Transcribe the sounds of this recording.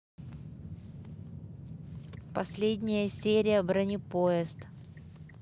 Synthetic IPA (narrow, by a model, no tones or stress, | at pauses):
pɐsʲlʲedʲnʲɪjəsʲeɾʲɪjəbɾɐnʲipoɛst̪